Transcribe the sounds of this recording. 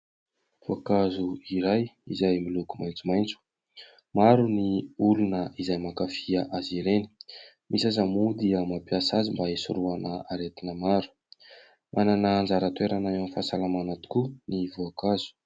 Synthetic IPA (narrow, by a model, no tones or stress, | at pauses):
voakazuiɾajizajmilukumajnt͡sumajnt͡su̥ | maɾuniulunəʔizajmakafiaʔaziɾeni̥ | misazamud̪iəmapiasazimbaisṵɾuanəaɾet̪inəmaɾu̥ | mʔananaːnd͡zaɾət̪weɾanaemifasalamanat̪u̥kunivoakazu̥